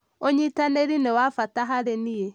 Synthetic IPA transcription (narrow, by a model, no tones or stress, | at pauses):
oɲitaneɾinewafataɦaɾenie